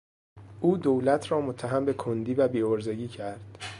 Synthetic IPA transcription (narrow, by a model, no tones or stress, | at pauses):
ʔuːd̪owlæt̪ʰrɒːmot̪ʰːæɦæmbe̞kʰond̪iːvæbiːoɾzeɡiːcʰæɾd̪̥